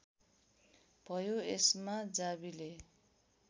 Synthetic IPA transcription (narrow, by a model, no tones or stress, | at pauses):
b̥ʱʌjoesmad͡zabile